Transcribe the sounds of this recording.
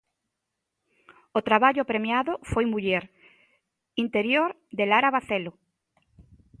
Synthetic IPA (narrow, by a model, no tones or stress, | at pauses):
ot̪ɾaβaʎopɾemjaðofojmuʎɛɾ | int̪eɾjoɾ | d̪elaɾaβaθelo